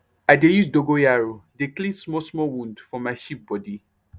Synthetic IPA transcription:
aɪdejusdoɡojaɹodeklĩnsmɔsmɔwũndfɹɔ̃maɪʃip̚bɔdi

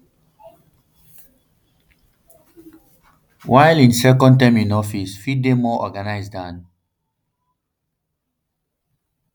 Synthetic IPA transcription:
wʔajlĩnsɛkɔ̃ntãmĩnɔfisfidemɔʔɔɡanaɪsdãn

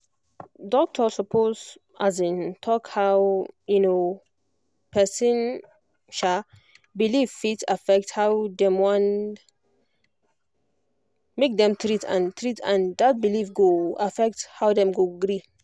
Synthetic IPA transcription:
dɔk̚tʰəsɔpʰoz | azĩntʰɔkhawjuno | pʰɛsĩn | ʃa | bilifitafɛk̚thawdɛ̃mwɔ̃n | mek̚d̪ɛ̃mt̪ɾitʰã̰nt̪ʰɾitʰãnd̪at̚bilifɡoafɛk̚thawdɛ̃mɡoɡɾi

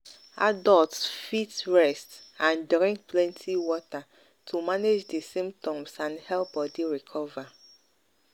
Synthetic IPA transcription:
adɔltsfitɹɛstãndɾĩŋk̚pʰlɛ̃ntʰiwɔta | tʰumaned͡ʒdesĩmptʰɔ̃msãnhɛlb̥ɔdiɹikʰɔva

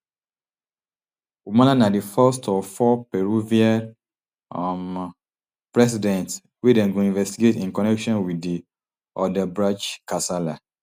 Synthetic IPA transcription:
umalanadifɛstʰɔfɔpɛɹuvia | m | pɹɛs̬idɛ̃nt | wedɛ̃nɡoĩnvɛstiɡetĩnkɔnɛkʃɔ̃nwidi | ɔdɛbɹat͡ʃkasala

